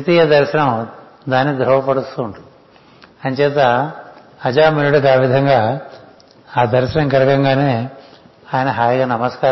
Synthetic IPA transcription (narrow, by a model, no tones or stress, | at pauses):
it̪iːjɐd̪ɐɾʃɐɳɐm | d̪aːnːid̪ɾɐʋɐpɐɽust̪uːɳʈun | ɐnt͡ʃɛːt̪̬ɐ | ɐd͡ʒaːmilɐɽɐkaːʋid̪ʱɐŋɡaː | aːd̪ɐɾʃɐɳɐmɡɐɾɐkɐŋɡaːne̞ː | aːjɐnɐɦaːjɐɡaːnɐmɐskaː